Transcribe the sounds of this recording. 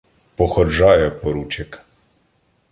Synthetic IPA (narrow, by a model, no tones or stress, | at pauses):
pɔxɔd͡ʒɑjɛpɔɾut͡ʃɪk